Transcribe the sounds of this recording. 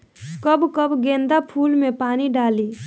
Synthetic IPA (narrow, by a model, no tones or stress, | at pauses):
kəbkəbɡẽːnd̪apʰuːlmẽpaːniɖaːli